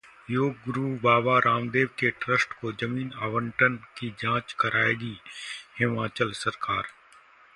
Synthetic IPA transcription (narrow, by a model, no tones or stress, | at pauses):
joːɡ̚ɡɾubaːbaɾʔaːmd̪eːʋkeʈɾəsʈkod͡ʒɐmiːnaːʋəɳʈənkid͡ʒãːt͡ʃkɐɾʔaːeːɡihɪmãːt͡ʃəlsɐɾkaːɾ